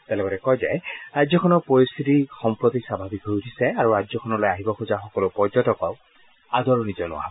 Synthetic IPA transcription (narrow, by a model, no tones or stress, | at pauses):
t̪ɛlɔɡɔtɛkɔjzɛɹajzjɔkʰɔnɔpɹɔɹist̪ʰitixɔmpɹɔt̪isabʱabikɦojutʰisɛaɹuɹajd͡ʒɔkʰɔnɔlɔjaɦibɔxuzaxɔkɔlʊpɔɹzɔtɔkɔʊ | adɔɹunizɔnʊ̰a̰bɔ